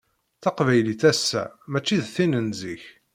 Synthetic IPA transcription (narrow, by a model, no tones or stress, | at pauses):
θɑqvæjliθæsːæ̰mæt͡ʃːiðθinənziç